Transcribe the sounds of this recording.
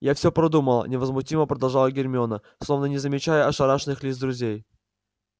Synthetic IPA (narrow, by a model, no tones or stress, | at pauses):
jafsʲopɾɐd̪uməlˠə̰nʲɪvəzmʊtʲiməpɾəd̪ɐlˠʐalˠəɡʲɪɾʲmʲɪonə | slˠo̞vnənʲɪzəmʲɪt͡ɕæjəɐʂɐɾaʂnɨxlʲisd̪ɾʊzʲej